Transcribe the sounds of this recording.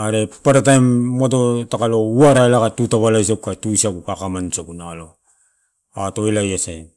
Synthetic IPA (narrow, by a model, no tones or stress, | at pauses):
aɾepaɾatajmːatotakalo̞uaɾaelakatutaβalajs̬akukatuisakukakamansakunalo̞ | atoilajasaj